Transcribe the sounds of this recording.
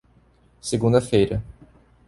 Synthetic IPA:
seɡũnd̪ɐfejɾɐ

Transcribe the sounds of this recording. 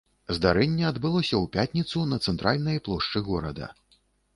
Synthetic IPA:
zd̪aɾɛnʲːɛad̪bɨlˠɔsʲɐwpʲat̪ʲnʲit̪sunɐt̪sɛnt̪ɾalʲnɐjplˠɔʂt͡ʂɨɣɔɾɐd̪ɐ̰

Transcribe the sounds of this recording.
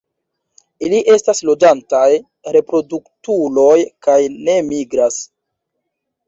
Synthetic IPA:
iliʔe̞staslo̞d͡ʒantaj | ɾe̞pɾo̞duktulo̞jkajne̞miɡɾas

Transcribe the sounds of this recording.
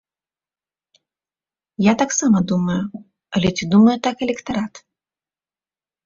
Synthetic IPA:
jat̪aksamɐd̪umɐju | ɐlʲɛt͡sʲid̪umɐjut̪akɛlʲɛkt̪aɾat̪

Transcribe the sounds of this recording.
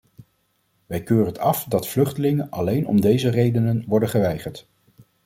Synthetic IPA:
ʋɛjkøːrətɑfdɑtflɵχtəlɪŋənʔɑlejnɔ̰mdejzərejdənənʋɔɹdəχəʋɛjχəɹt

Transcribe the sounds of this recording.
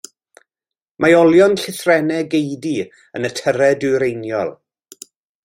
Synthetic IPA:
maɔlˠjɔnɬɪθrɛnɛɡejdi | ənətʰəɾɛdɨɾejnjɔ̰lˠ

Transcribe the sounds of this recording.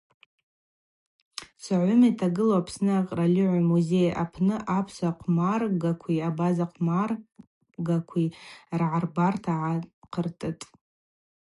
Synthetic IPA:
saʕʷʊmitʰaɡɨloapʰsnɨaqʼralʲɪʕʷamuze̞ja̰pʰnɨʔapʰsaqʷʰmarɡakʷʰiabazaqʰmar | ɡakʷʰirʕarbartʰaʕaqʰərtʼɨtʼ

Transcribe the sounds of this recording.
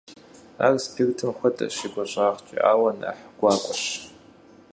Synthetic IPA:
a̰ːrspʰektʰɨmxʷɔtʼɐ̰ʃɪɡʷɐɕʼaːʁt͡ʃʼḭʔa̰ːwɐna̰ħɡ̥ʷaːkʷʼɔɕ

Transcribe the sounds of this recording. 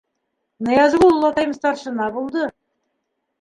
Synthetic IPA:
nɤ̆jɑzɡullˠːɑt̪ɑjmst̪ɑɾʃɤ̆nɑbulˠd̪ɤ

